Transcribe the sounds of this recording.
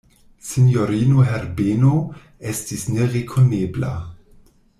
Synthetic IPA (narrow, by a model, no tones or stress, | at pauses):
sinjoɾiːnoɦɛɾbeno | ɛstisneʁekʰoneːbla̰